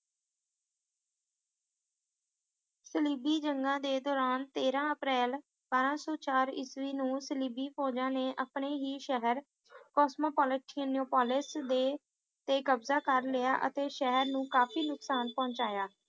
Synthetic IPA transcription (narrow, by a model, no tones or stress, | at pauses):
səliːbiːd͡ʒəŋɡãːd̪eːd̪ɔːɾaːnt̪eːɾãːəpɾɛːl | baːɾãːsɔːt͡ʃaːɾɪ̰sʋiːnũːsəliːbiːpʰɔːd͡ʒãːneːʔəpneːɦiːʃɛɦəɾ | kɔːsmoːpɔːlɪʈʰinoːpaːlɪsd̪eː | t̪eːkəbzaːkəɾlɪja̰ːʔə̰t̪eːʃɛɦəɾnũːkaːfiːnʊksaːnpɔ̃ːɲt͡ʃaːjaː